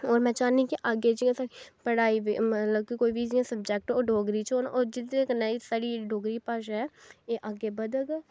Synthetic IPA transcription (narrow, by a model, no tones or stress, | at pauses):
oːɾmɛ̃ːt͡ʃaːnĩkiʔaɡed͡ʒiãːsaːɾipəɽaːiʋḭmət̪ləb̚kikoːiːbʱid͡ʒiãsəb̚d͡ʒɛk̚ʈoːɖoːɡɾiːt͡ʃoːnoːɾd͡ʒɪd̪ẽknəisaːɽiɖoːɡɾiːpaːʃɛːeːʔaɡeːbəd̪əɡ